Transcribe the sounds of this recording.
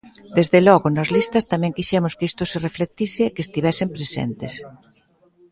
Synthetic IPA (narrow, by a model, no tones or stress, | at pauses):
d̪ezðelɔɣʊnɐzlist̪ɐst̪amɛ̃ŋkiʃɛmʊskist̪ʊsereflet̪isɪkest̪iβɛsɪmpɾesɛ̰nt̪es